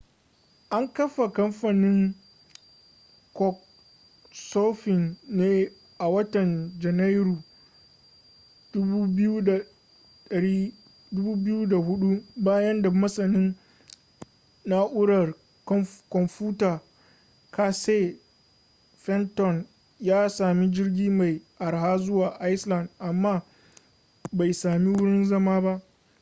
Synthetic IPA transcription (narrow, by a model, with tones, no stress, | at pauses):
ʔa˦ŋkɐ˦ɸa˨kɐ˦mɸa˨nɪ˦ŋ | kɔ˦k̚ | so˦ɸɪ˨nːeː˦ | ʔa˨wɐ˦tɐ˨nd͡ʒɛ˨na˦jɾuː˨ | d̥ʊ˦u˦bu˦a˨ | ɗɐ˨ɽiː˦ | dʊ˦buː˦bɪ˦ju˦da˨hʊ˦ɗu˦baː˦jɐ˦nda˨mɐ˦sɐ˨nɪ˦n | na˦ʔʊ˦ɽɐ˨r | kɔ˦kɔ˨mɸuː˦taː˨ | ka˨se˦ | ɸɛ˦ntɔ˨n | jaː˦saː˨mi˦d͡ʒɪ˦rɡʲiː˦ma˨jʔa˨rɦaː˦zʊ˦waː˨ʔa˦jsla˨ndʔa˨mːaː˦ | ba˨jsaː˨mi˦wʊ˦ɽɪ˦nzɐ˦maː˦ba˦ʔ